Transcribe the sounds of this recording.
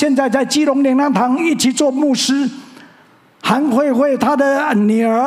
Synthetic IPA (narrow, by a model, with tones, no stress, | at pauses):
jɛ˥˧nt͡sa˥˧ɪt͡sa˥˩ɪt͡ɕi˥lʊ˧˥ŋljɛ˧˩˦ŋna˥˩nt̪ʰɑ˨˦ŋi˥˩t͡ɕʰi˨˩t͡swɔ˥˧mu˥˩ʂɻ̩˥ | xa˨˦˥nxwe˥˧ɪxwe˥˩ɪt̪ʰa˦˥d̪ə˨ny˨˩ə˞˨˧˥